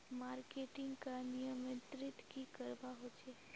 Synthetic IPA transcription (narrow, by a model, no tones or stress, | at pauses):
maːɾkeʈɪ̃ŋɡkanijəmẽt̪ɾɪt̪kikəɾbaɦot͡ʃʰe